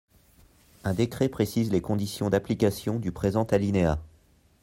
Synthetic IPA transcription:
ɛ̃d̪ekχepχesizlekɔ̃d̪isjɔ̃d̪aplikasjɔ̃d̪ypχezɑ̃t̪alinea

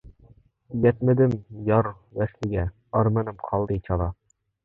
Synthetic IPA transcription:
jɛt̪̚mɪd̪ɪmjɑɾ | wæslɪɡʲɛ | ɑɾmɛnɪmqʰɑlˠd̪ɨt͡ʃʰɑlˠɑ

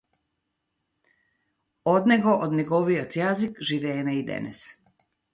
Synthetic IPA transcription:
od̪neɡoʔod̪neɡoʋiot̪jazikʒiʋeːnaid̪ḛnḛs

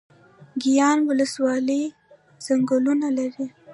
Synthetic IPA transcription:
ɡijɑnwʊləswɑləj | z̥aŋɡəlunalaɾi

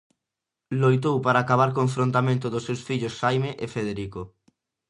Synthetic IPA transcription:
lojt̪̬owpaɾaːkaβ̞aɾkõɱfɾõnt̪amẽnt̪ʊðʊsewsfiʎʊsːajmeʔefeðeɾiko

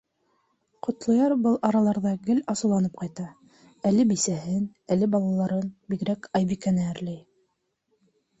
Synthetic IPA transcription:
qŏt̪lˠɤ̆jɑɾbɤlˠʔɑɾɑlˠɑɾðɑɡɘlɑsɤ̆wlˠɑnɤp̚qɑjt̪ɑ | ælɘbisæhɘn | ælɘbɑlˠɑlˠɑɾɤnbiɡɾækʰɑjβikænææɾlæj

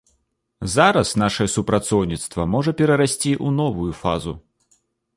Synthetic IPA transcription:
zaɾɐsnaʂɐjɛsupɾat̪sɔwnʲit̪st̪vɐmɔʐɐpʲɛɾɐɾasʲt͡sʲiʔunɔvujufa̰zu

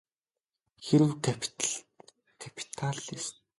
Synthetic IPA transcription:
xeɾɘ̆wkʰapʰt̪ɮ | kʰapʰi̥t̪ʰaɮist̪

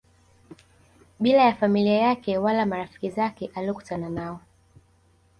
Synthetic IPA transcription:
ɓilajafamiliajakɛwalamaɾafi̥kizakɛʔaliɔku̥tananaɔ

